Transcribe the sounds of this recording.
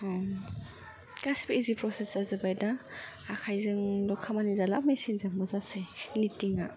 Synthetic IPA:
kasi̥biizipɾɔsesazɯbajdaː | kʰajzɯŋlɔkʰamanizalap̚mesinzaŋbɔzasenitiŋa

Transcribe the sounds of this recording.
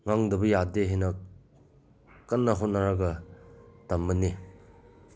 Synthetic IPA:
ŋaŋdɐbɐjadeɦenɐ | kɐnːɐɦot̚naɾaɡɐ | tɐmːɐni

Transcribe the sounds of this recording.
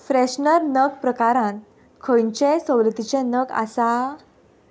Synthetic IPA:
fɾeɕnəɾnəkpɾəkaɾãn | kʰəjɲt͡ɕẽsɔ̃wlət̪it͡ɕẽnəka̰sa

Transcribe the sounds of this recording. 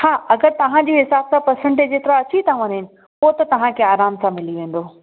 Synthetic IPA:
haːɐɡəɾt̪ɐʋ̤ãd͡ʑiːɦɪsaːssãpɐsə̃ɳʈd͡ʑeːt̪ɪɾaɐt͡ɕit̪ʰãʋɐ̃nɦɪnɪ̆ | poːt̪ɐt̪ɐʋ̤ãkʰeːaːɾaːmsãmɪliʋẽːn̆d̪oː

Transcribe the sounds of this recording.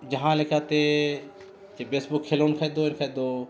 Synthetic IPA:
d͡ʒɐɦãːlekaːt̪e | t͡ʃebeːsbukʰːeːloːnkʰəd̪oːɪnkʰəd̪oː

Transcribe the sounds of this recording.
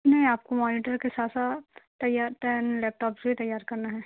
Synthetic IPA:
nɐɦĩaːp̚komɔːnɪʈəɾkesaːsat̪ɐjaːɾʈ̪ɛːnlɛːp̚ʈɔːpsbʱit̪ɐjaːɾkɐɾnaɦɛː

